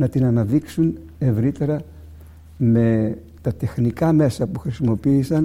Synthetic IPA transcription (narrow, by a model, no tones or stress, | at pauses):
nɐt̪inɐnɐðiksun | e̞vɾit̪e̞ɾɐ | me̞ | t̪ɐt̪e̞xnikɐme̞sɐpuxɾisimo̞piːsɐn